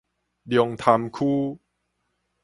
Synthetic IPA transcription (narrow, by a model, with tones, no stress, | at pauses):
di˧ŋt̪ʰa˧mkʰuː˥˩